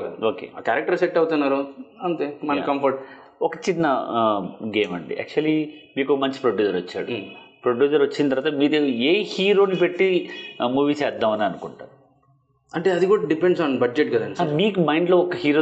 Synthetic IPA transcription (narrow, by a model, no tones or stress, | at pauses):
ɐoːkḛːakaːɾɐk̚ʈɐɾsek̚ʈːɐwut̪unːaːɾuɐnt̪eːmɐnɐkɐmpʰɐɾʈ | ɔkɐt͡ʃinːɐ | ɡeːmɐ̰ɳɖḭʔæ̰ːk̚t͡ʃuɐlimiːkokɐmɐɲt͡ʃi̥pɾoɖjuːd͡ʒɐɾɐt͡ʃːa̰ːɽupɾoɖjuːd͡ʒɐɾʋɐt͡ʃːint̪ɐɾʋaːt̪ɐmiːɾueːhiːɾo̞ːnipe̞ʈːimuːʋiːsɛːd̪ːɐmɐniɐnukuɳʈa̰ːɾu | ɐɳʈeːɐd̪iɡoːɽɐɖipeɳɖsaːnbɐd͡ʒd͡ʒeʈ̚ɡɐd̪aɐːnisaɾmiːkumɐjɳɖloːɔkːɐhiːɾoː